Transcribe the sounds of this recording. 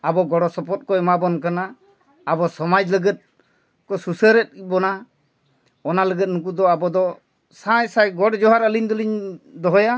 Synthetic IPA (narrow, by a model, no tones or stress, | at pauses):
abɔɡɔɽɔsɔpɔt̪̚kɔɛmabɔnk̬anaː | bɔsɔmad͡ʒləɡɛt̪̚ | kɔsusəɾɛt̪̚kibɔna | ɔnaləɡɛt̪̚ˀnuk̬ud̪ɔabɔd̪ɔ | sãjsajɡɔʈd͡ʒɔɦaɾəliɲd̪ɔliɲd̪ɔɦɔja